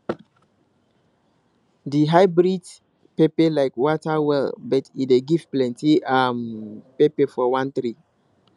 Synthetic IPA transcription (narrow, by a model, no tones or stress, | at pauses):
diɦaɪbɹid | pepelaɪkwɔtawɛlbətideɡivplɛ̃ntiampepefɔwãnt̪ɾi